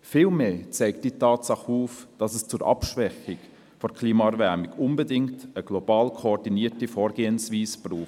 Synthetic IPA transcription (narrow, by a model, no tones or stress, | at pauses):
fɪːlmeːt͡sɛɪktd̥iːtɑːtsɑχuːfd̥ɑsɛst͡sʊɾʔɑ̰pʃʋɛxɪk | fɔɾkʰliːmɑɛɾvɛɾmɪkʊnbədɪŋktəɡ̥lɔb̥ɑːlkʰoɔɾdiniːtifɔːɾɡeːənsviːsb̥ruː